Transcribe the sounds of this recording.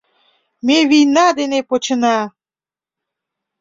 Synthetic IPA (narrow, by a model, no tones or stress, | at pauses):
meβijnɑd̪enepot͡ɕə̆nɑ